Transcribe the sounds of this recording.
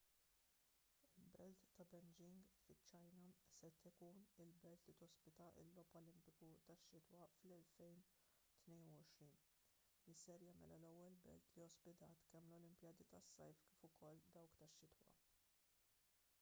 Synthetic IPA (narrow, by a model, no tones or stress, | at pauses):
ɪlbɛlt̪ːɐbɛnd͡ʒɪŋɡfɪt͡ʃːɐjnɐsɛt̪ɪkuːnɪlbɛlt̪lit̪ɔspɪt̪ɐʔɪ̰lːɔpɔlɪmpɪkut̪ɐʃːɪt̪wɐflɛlfɛjn | t̪nɛjnuɔʃɾiːn | lisɛɾjɐːmɛ̰lɐlɛwːɛlbɛ̰lt̪liɔspɪt̪ɐːt̪kɛmlɔlɪmpjɐːd̪it̪ɐsːɐ̰jfkiːfʊkɔld̪ɐwkt̪ɐʃːɪt̪wɐ̰